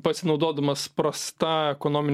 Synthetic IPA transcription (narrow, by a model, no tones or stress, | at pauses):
pɐsʲɪnɐʊd̪oːd̪ɐmɐspɾɐst̪ɑɛkonoːmʲɪnʲ